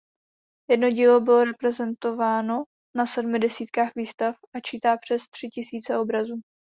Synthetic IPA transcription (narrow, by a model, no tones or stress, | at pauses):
jɛdno̞ɟiːlo̞bɪlo̞ɾɛpɾɛzɛnt̪o̞vaːno̞ | nasɛdmɪdɛsiːt̪kaːxviːst̪afat͡ʃiːt̪aːpr̝̥ɛst̪r̝̥ɪcɪsiːt͡sɛʔo̞bɾazuː